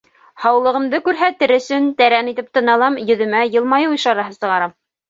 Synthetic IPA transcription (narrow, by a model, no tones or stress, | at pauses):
hɑwlˠɤ̆ʁɤ̆md̪ɤkʉɾɦæt̪ɘɾɵ̆sɵnt̪æɾænit̪ɘp̚t̪ɤ̆nɑlˠɑmjɵ̆ðɵ̆mæjɤ̆lˠmɑjɤŭjʃɑɾɑɦɤsɤ̆ʁɑɾɑm